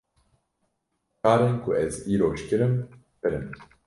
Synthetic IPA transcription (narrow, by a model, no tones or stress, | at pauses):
kaːɾeːnkʰʊɛziːɾoːʃkɨɾɨm | pɨɾɨm